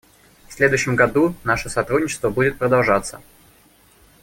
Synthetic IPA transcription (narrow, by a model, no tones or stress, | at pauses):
fsʲlʲe̞d̪ʊjɕːɪmɡɐd̪unaʂəsɐt̪ɾudʲnʲɪt͡ɕɪ̥st̪vəbudʲɪt̪̚pɾəd̪ɐlˠʐat̪sːə